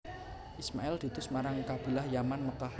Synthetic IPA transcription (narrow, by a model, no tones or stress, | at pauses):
ʔismaɛld̪̥i̤t̪ʊsmaɾaŋkab̥ilahjamanməkah